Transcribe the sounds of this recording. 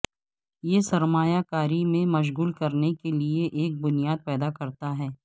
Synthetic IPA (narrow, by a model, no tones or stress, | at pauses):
jesɐɾmaːjakaːɾimẽmɐʃ̬ɣuːlkɐɾnekelieʔeːk̚bʊnijaːd̪̚pɛːd̪akɐɾt̪aɦɛː